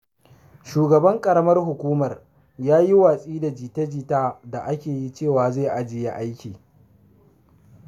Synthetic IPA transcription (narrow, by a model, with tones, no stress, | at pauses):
ʃuː˨ɡɐ˨bɐ˦ŋkʼɐ˨ɽɐ˦mɐ˦rɦʊ˨kʷuː˦mɐ˨r | jaː˦ji˦waː˨sʼiː˦da˨d͡ʒiː˨ta˦d͡ʒiː˦taː˦da˨ʔa˦kʲeː˨ji˦t͡ʃeː˦˨waː˨zaː˦˨ʔa˦d͡ʒɪ˨ja˦ʔa˦jkʲiː˨